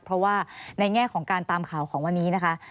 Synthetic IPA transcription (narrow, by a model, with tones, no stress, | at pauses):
pʰɾɔ˦˥waː˥˩na˧jŋɛː˥˩kʰɔː˩˦ŋkaː˧nt̪aː˧mkʰaː˨˩wkʰɔː˩˦ŋwa˧nːiː˦˥na˦˥kʰa˦˥ʔ